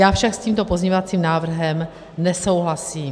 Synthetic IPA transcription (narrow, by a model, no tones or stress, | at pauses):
jaːfʃaksciːmt̪o̞pozɲeɲovat͡siːmnaːvr̩ɦɛm | nɛso̞wɦlasiːm